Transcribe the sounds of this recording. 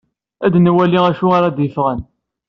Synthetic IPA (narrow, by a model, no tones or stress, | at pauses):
æd̪nwæliæʃuaɾad̪jəfʁən